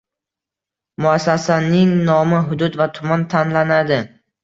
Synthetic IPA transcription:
mʊasːasanɪŋnɒmɪɦʊd̪ʊd̪vat̪ʰʊmant̪ʰanlanad̪ɪ

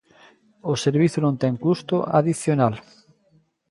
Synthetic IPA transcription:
oseɾβiθʊnõnt̪ɛŋkust̪oʔa̰ðiθjonal

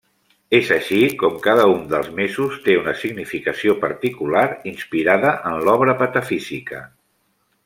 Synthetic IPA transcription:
ezəʃikɔmkaðəund̪əlˠzmezust̪eunəsiɡnifikəsiopəɾt̪ikulaɾinspiɾaðəʔənlɔβɾəpət̪əfizikə̰

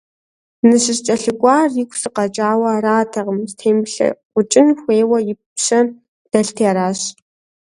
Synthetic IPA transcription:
nɨɕɪrt͡ʃʼɐɬɨɡʷʼaːrjɪkʷsɨqɐt͡ʃʼaːwɐraːtʰɐʁəmstʰeːmɬɐ̰qʷʊt͡ʃʼɪnxʷeːwɐjɪppɕɐn | d̥ɐɬtʰːaɾaːɕ

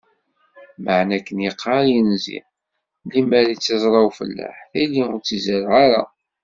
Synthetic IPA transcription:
məʕnækːənjəqʰːɑɾjənzḭ | limæɾit͡sːɑzˤɾˤɑwfə̰lːa̰ħθilːiʊɾt͡sːizæɾʁaɾa

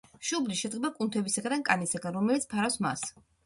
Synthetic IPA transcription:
ʃubliʃɛd̪ɡɛbakʼunt̪ʰɛbisaɡad̪ankʼanisaɡanɾɔmɛlit̪spʰaɾafsma̰s

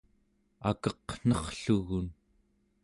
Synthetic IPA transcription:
a̰kʌqn̥ʌχɬuɣun

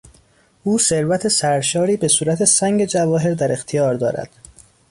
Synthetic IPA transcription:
ʔuːse̞ɾvæt̪ʰe̞sæɾʃɒːɾiːbe̞suːɾæt̪ʰe̞sæŋɟe̞d͡ʒævɒːɦe̞ɾd̪æɾe̞xt̪ʰijɒːɾd̪ɒːɾæ̰d̪̥

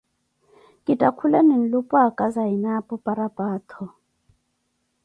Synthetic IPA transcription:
kʼitʼakʰulanin̩lupʼwakʼazainapʼupʼaɾapʼaːt̪ʰɔ

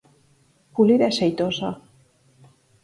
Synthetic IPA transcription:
puliɾaeʃejt̪oza

